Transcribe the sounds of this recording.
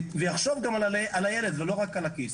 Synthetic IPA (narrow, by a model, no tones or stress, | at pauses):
vejaχʃovɡamalaleʔalajeled̪velo̞ʁakalakis